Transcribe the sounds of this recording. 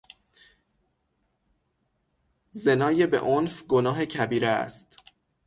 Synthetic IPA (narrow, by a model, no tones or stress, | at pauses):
ze̞nɒːjebḛʔonfɡonɒːɦe̞cʰæbiːɾḛst̪